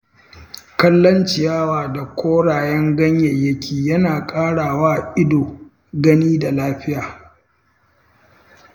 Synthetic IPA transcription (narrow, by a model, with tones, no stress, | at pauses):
kɐ˦lːɐ˦nt͡ʃɪ˨jaː˦waː˨da˨kʷʰoː˦ɽaː˨jɛ˦ŋɡɐ˦ɲjɐ˨jːɐ˦kʲiː˨jɐ˦naː˨kʼaː˦ɽaː˨waː˦ʔɪ˦doː˨ | ɡɐ˦niː˦da˨laː˦ɸɪ˦jaː˨